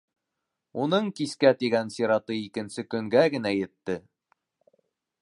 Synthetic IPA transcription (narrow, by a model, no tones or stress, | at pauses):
unɤɴkiskæt̪iɡænsʲeɾɑt̪ɤikɘ̆nsɘkɵ̆ŋɡæɡɘ̆næjɘ̆t̪ːɘ